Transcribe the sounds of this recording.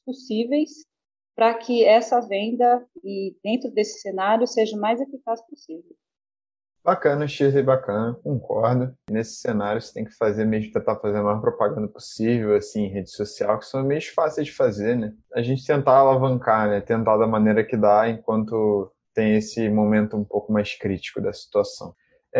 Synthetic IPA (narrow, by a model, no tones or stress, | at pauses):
posivejs | pɾɐkʰɪɛsɐvẽnd̪ɐɪd̪ẽnt̪ɾʊd̪esɪ̥senaɾjʊseʒɐmajzefikasposivew | bakɐ̃nɐʃizɐibakɐ̃nɐkõŋkɔɾd̪ʊnesɪ̥senaɾijʊse̥t̪ẽj̃kɪ̥fazeɾmeʒmʊt̪ẽnt̪afazeɾɐmajɔɾpɾopaɡɐ̃nd̪ɐpo̥sivewasĩẽɦed͡ʒɪsosiawkɪ̥sɐ̃w̃mejʊʃfasejzd͡ʒɪfazeɾnɛaʒẽnt͡ʃɪ̥t̪ẽnt̪aalavɐ̃ŋkanɛt̪ẽnt̪ad̪ɐmɐneɾɐkɪd̪aẽkwɐ̃nt̪ʊ | t̪ẽj̃esɪmomẽnt̪ʊũmpowkʊmajskɾit͡ʃi̥kʊd̪ɐsi̥t̪uasɐ̃w̃